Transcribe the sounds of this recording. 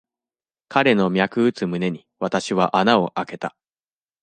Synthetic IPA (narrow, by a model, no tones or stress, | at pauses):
kʰaɾe̞no̞mʲjakɯ̟ɯ̟t͡sɨmɯ̟ne̞ɲ̟iβat̪aɕiβaʔanao̞ʔake̞t̪a